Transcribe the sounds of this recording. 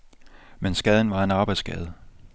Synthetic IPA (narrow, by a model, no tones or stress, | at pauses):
mensɡ̥ɛːð̞ˠn̩ʋɑ̈e̝nɑ̈ːb̥ɑ̈ɪd̥sɡ̥ɛ̰ːð̞̩ˠ